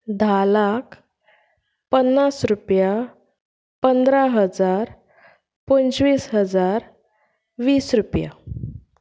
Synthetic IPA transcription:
d̪ʱalak | pənːasɾupja | pənd̪ɾaɦəd͡zaɾ | pənt͡ɕʋiːsɦəd͡zaɾ | ʋiːsɾupja̰

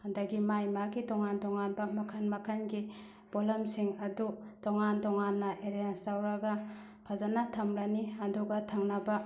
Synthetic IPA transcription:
hɐndɐɡimajmaɡitɔŋandɔŋanbɐmɐkʰɐnmɐkʰɐnɡi | b̥olɐmsiŋɐdutɔŋandɔŋanːɐʔeɾanstawɾɐɡɐ | pʰazanɐtʰɐmɾɐniɐnduɡɐtʰɐŋnɐbɐ

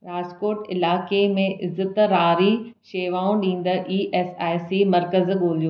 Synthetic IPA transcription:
ɾaːzkoːɾʈɪlaːkemẽʔɪzət̪ɾaːɾiʃeːʋaːũɗĩːn̆d̪əʔiːʔeːsaːjsimɐɾkəzɠoːljoː

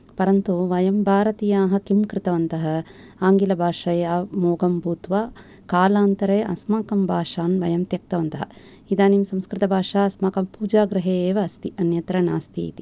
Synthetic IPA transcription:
pɐɾɐnt̪uʋɐjɐmbʱaːɾɐt̪ijaːɦɐ̆kimkɾɪt̪ɐʋɐnt̪ɐɦɐ̆ | aːŋɡilɐbʱaːʂɐjaːmoːɡɐmbʱuːt̪ʋaː | kaːlaːnt̪ɐɾeːʔɐ̰smaːkɐmbʱaːʂaːnʋɐjɐmt̪jɐk̚t̪ɐʋɐnt̪ɐɦɐ | id̪aːnimsɐmskɾɪt̪ɐbʱaːʂaːɐsmaːkɐmpuːd͡ʒaːɡɾɐɦeːeːʋɐːst̪iʔɐnjɐt̪ɾɐnaːst̪ʰḭːt̪i

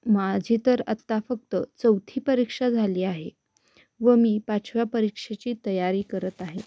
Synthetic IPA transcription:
mad͡ʑʱit̪əɾə̰t̪ːafək̚t̪ət͡səwt̪ʰiːpəɾikʂad͡zʱaliːaɦe | ʋəmiːpat͡ɕʰʋjapəɾikʂet͡ɕiːt̪əjaɾiːkəɾət̪aɦe

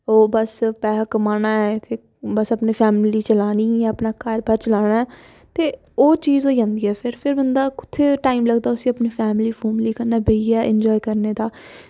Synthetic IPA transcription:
oːbəspɛːɦəkmaːnaːɛːt̪ʰeː | bəsəpneːpʰɛːmliːt͡ʃəlaːniːɛːəpnaːkəɾbʱəɾt͡ʃəlaːɽ̃aːɛː | t̪eː | oːt͡ʃiːzoːd͡ʒãːnd̪iːɛːpʰɪɾpʰɪɾbənd̪aːkʊ̥t̪ʰːeːʈaːiːmləɡd̪aːʊsĩːəpniːpʰɛːmɪliːfʰoːmliːkəɾnaːbəiːɛːʔɛ̃ɲd͡ʒɔːikəɾneːd̪aː

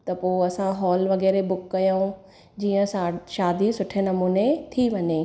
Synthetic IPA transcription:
t̪ɐpoːɐsãɦɔːlʋɐɣɛːɾebʊkːɐjaũ | d͡ʑiːə̃sʃaːd̪isʊʈʰenɐmuːnet̪ʰiʋɐɲe

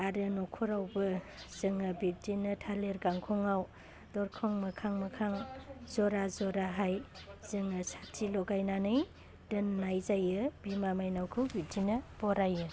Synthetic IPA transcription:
aɾɯnɔkʰɔɾawbɯz̥ɯŋɯbik̚dinɯtʰaleɾɡaŋkʰɔŋaw | dɔɾkʰɔŋmɐkʰaŋmɐkʰaŋzɔɾazɔɾaɦajz̥ɯŋɯsatʰilɔɡajnanɯj | dɯnːajzajɯbimamajnawkʰɯwbib̚dinɯb̥ɔɾajɯ

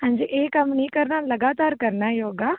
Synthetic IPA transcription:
ɦãːɲd͡ʒiːʔeːkəmnĩːkəɾnaːləɡaːt̪aːɾkəɾnaːjoːɡaː

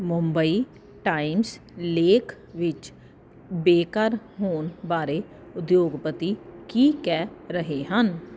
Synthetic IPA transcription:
mʊmbəiː | ʈaːɪmsleːkʰ | ʋɪt͡ʃ | beːkəɾɦoːnbaːɾeː | ʊd̪joːɡpət̪iːkiːkɛːɾəɦeːɦən

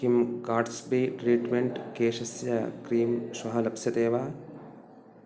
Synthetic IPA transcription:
kimkaːɖsbiːʈɾiːʈmeɳʈkeːʃɐsjɐkɾiːmswɐɦɐlɐpsjɐt̪eːʋaː

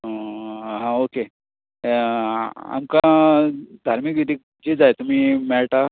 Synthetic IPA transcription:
ɦãoke | a̰mka | d̪ʱaɾmikʋid̪iːk̚ | d͡ʑid͡zajt̪um̤iːmɛɭʈa

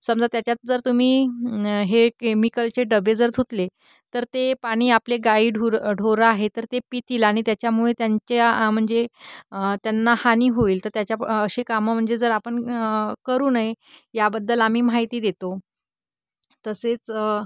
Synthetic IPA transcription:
səmd͡zat̪jat͡ɕjat̪̚d͡zəɾt̪um̤iː | ɦekemikəlt͡ɕeɖəbed͡zəɾt̪ʰut̪le | t̪əɾt̪epaɽ̃iːapleɡaiːɖʱuɖʱoɾəaɦet̪əɾt̪epit̪iːlaɽ̃it̪jat͡ɕjamuɭet̪jaɲt͡ɕam̤əɳd͡ze | t̪janːahaniːɦoiːlt̪əɾt̪jat͡ɕjaəɕekaməm̤əɳd͡zed͡zəɾapəɳkəɾuːnaɦe | jabəd̪ːəlam̤iːmaɦjt̪iːd̪et̪o | t̪əset͡s

